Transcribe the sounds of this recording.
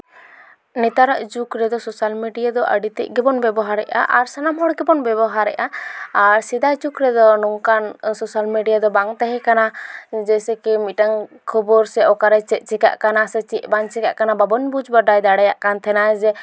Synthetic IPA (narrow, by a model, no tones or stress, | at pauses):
nɛt̪aɾaʔd͡ʒukɾɛd̪ɔsɔsalmiɖijad̪ɔʔə̰ɖit̪ɛ̰ʔɡɛbɔnbɛbɔɦaɾɛʔa̰ʔaɾsanamɦɔɽɡɛbɔnbɛbɔɦaɾɛ̰ʔaːɾsid̪ad͡ʒukɾɛd̪ɔnɔŋkansɔsalmiɖijad̪ɔbaŋt̪ɛɦɛ̃kanad͡ʒɛsɛkɛmiʈaŋkʰɔbɔɾsɛɔkaɾɛt͡ʃɛt̪̚ˀt͡ʃɛka̰ʔkanasɛt͡ʃɛʔbaŋt͡ʃɛkaʔkanababɔnbud͡ʒbaɖajd̪aɽɛjaʔkant̪ʰɛnad͡ʒɛ